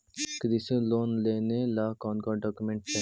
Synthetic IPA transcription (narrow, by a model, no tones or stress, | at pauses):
kəd̪isẽloːnleːnelaːkɔ̃ːnɡɔːɖɔkumẽɳʈ̚ɛ